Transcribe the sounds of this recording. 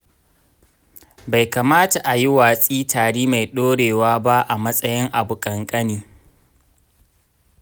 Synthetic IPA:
ba˨jka˨maː˦ta˨ʔa˨ji˦waː˨sʼiː˦taː˨ɽiː˦ma˨jɗoː˦ɽeː˨waː˦ba˦ʔa˨mɐ˦sʼɐ˦jɪ˦ŋʔa˨bʊ˨kʼɐ˨ŋkʼɐ˦niː˨

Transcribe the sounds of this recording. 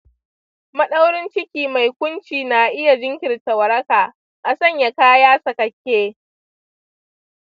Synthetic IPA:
mɐ˦ɗa˦wɽɪ˦nt͡ʃɪ˦kʲiː˨ma˨jkʷʊ˦nt͡ʃiː˨na˨ʔɪ˦ja˨d͡ʒɪ˦ŋkʲɪ˨rtɐ˨wɐ˨ɾɐ˦kaː˨ | ʔa˨sɐ˦˨ɲja˨kaː˦jaː˦sɐ˨kɐ˨kʲːeː˦

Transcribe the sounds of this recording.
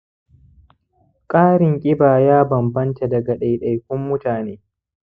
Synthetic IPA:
kʼaː˦ɾɪ˨ŋkʲʼɪ˦baː˨jaː˦bɐ˨mbɐ˦nta˨dɐ˨ɡɐ˨ɗa˨jɗɐ˨jkʷʊ˦mːʊ˦taː˨neː˦

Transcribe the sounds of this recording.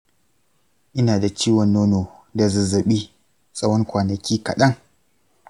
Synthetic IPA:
ʔɪ˦naː˨da˨t͡ʃiː˦wɔ˨nːoː˦noː˨da˨zɐ˨zɐ˨ɓiː˦ | sʼɐ˦wɔ˦ŋkʷaː˨nɐ˨kʲʰiː˦kɐ̰˨ɗɐ˦ŋ

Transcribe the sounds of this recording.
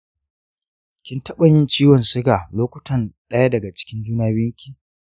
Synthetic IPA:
kʲɪ˦ntɐ˦ɓɐ˨ɲɪ˦nt͡ʃiː˦wɔ˨nsʊ˦ɡa˨loː˦kʷʊ˦tʰɐ˨nɗɐ˦ja˦dɐ˨ɡa˨t͡ʃɪ̥˦kʲɪ˦nd͡ʒuː˦naː˦bɪ˦ŋkʲi˦˨

